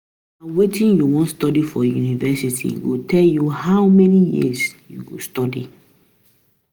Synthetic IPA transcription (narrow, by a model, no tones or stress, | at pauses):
ãnwetĩnjuwɔ̃ntstɔdifɔjunivɛsitʰḭɡotʰɛljuhaʊmɛnijḭsjṵɡostɔdḭ